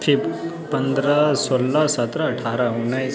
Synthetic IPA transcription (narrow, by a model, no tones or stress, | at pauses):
ʈʰip | pənd̪ɾasolːasət̪ɾaːʈʰaɾaunaj